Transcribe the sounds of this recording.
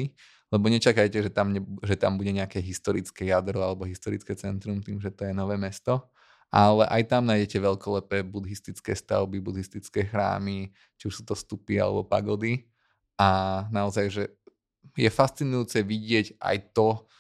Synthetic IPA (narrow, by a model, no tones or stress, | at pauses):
i | lɛbɔɲɛt͡ʃakajcɛʒɛt̪amɲɛʒɛt̪a̰mbuɟɛɲɛakɛɦist̪ɔɾit͡skɛjad̪ɾɔalɛbɔɦist̪ɔɾit͡skɛt͡sɛnt̪ɾumt̪iːmʒɛt̪ɔjɛnɔʋɛːmɛst̪ɔ | ʔalɛʔajt̪amnajɟɛcɛʋɛʎkɔlɛpɛːbud̪ɦist̪it͡skɛ̰ːst̪a̰ʊbibud̪ɦist̪it͡skɛːxɾa̰ːmi | t͡ʃiuʃsuːt̪ɔst̪upia̰lɛ̰bɔpa̰ɡɔd̪i | anaɔzajʒɛ | jɛfast͡sinujuːt͡sɛʋiɟɪɛcʔa̰jt̪ɔ